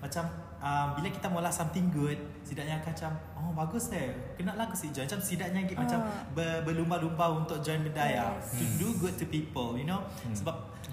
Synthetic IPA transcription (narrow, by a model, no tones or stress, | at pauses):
mat͡ʃam | ambilakit̪amolahsamt̪ɪŋɡud̚ | sidaʔɲakaat͡ʃam | ɔbaɡʊsə | kənaʔlahɡusid͡ʒɔnmat͡ʃamsidaʔ̚ɲaɡiʔmat͡ʃambəbəlumbalumbaunt̪ʊk̚d͡ʒɔjnməndajat̪uduɡud̚tːupipəljuno | səbap̚